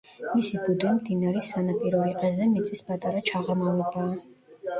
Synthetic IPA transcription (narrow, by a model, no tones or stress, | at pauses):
misibud̪imd̪inaɾisanapʼiɾɔɾiqʼɛzɛmit̪sʼispʼat̪ʼaɾat͡ʃʰaʁamavɛbaː